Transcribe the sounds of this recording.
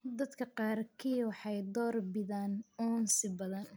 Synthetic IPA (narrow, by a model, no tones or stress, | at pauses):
d̪ɐd̪kʰɐqɑːrkʰijwɑħɑjd̪ɔːrbɪðaːnɔːnsɪbɐðɐn